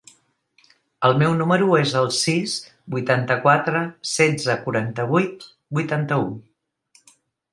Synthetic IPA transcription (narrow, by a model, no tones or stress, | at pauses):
əlˠmɛwnuməɾuezəlˠsis | bujt̪ant̪əkwat̪ɾəsɛd͡zzəkuɾant̪əβ̞ujt̪̚ | bujt̪ant̪əu